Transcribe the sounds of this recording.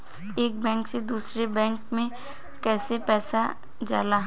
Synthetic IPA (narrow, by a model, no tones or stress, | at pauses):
eːk̚bɛ̃ːŋksed̪uːsɾebɛ̃ːŋkmẽ | kɛːsepɛːsa | d͡ʒa̰ːlaɦ